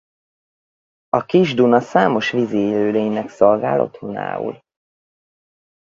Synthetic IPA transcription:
ɒkiʒd̪unɒsaːmo̞ʃvizieːløːleːɲnɛkso̞lɡaːlʔo̞̰t̪hona̰ːṵl

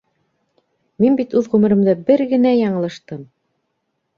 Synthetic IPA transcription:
minbit̪ʉðʁʉmɘ̆ɾɘ̆md̪ɘbɘɾɡɘ̆næjɑɴɤ̆lˠɤ̆ʃt̪ɤm

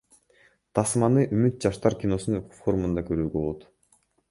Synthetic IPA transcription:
t̪ʰɑsmɑnɯʔymyt̪̚d͡ʒɑʃt̪ɑɾkʲino̞sunfo̞ɾumund̪ɑkøɾyːɡøbo̞lˠut̪

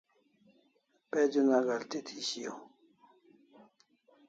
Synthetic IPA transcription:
peːd͡ʑunaːɡalt̪et̪ʰiɕijo

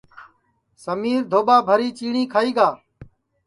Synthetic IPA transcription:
səmiːɾd̪ʱoːɓaːbʱəɾiːt͡ʃiːɳiːkʰaːiːɡaː

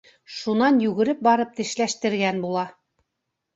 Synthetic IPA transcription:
ʃunɑnjʉɡɘ̆ɾɘp̚bɑɾɤp̚t̪ɘ̆ʃlæʃt̪ɘ̆ɾɡænbulˠɑ

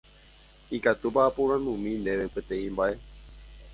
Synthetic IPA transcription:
ikat̪ubaapuɾ̃ãnũmĩnd̪eʋẽpẽt̪ẽĩmbaʔe̞

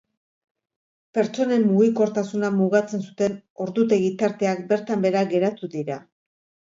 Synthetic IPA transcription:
pe̞ɾt͡so̞ne̞mːuɣiko̞ɾt̪asunamuɣat͡se̞nsut̪e̞no̞ɾd̪ut̪e̞ɣit̪aɾt̪e̞ak̚be̞ɾt̪ambe̞ɾaɣe̞ɾat̪uðiɾa

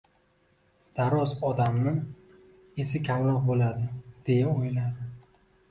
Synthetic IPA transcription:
d̪̥aɾɒzɒd̪amnɪ | esɪkʲʰamɾɒqbolad̪ɪd̪̥e̞jaojlad̪ɪ

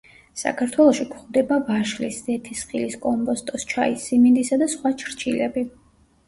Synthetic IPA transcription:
sa̰kʰaɾt̪ʰwɛlˠɔʃikʰχd̪ɛbavaʃlḭszɛt̪ʰisχiliskʼɔmpʼɔst̪ʼɔst͡ʃʰaisːimind̪isad̪asχwat͡ʃʰɾt͡ʃʰilɛbi

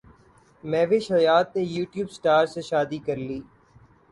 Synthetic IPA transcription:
mɛ̃ːʋeʃɐjaːt̪̚nẽjuːʈjuːbsʈaːɾseʃaːd̪ikɐɾliː

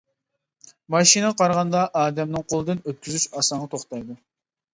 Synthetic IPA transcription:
mɑʃinɨqʰɑɾʁɑnd̪ɑʔɑːd̪ɛmnɨŋqʰolˠɨd̪ɨnøt̪̚kʲʰyzyt͡ʃɑsɑɴʁɑt̪ʰoχt̪ɑjd̪u

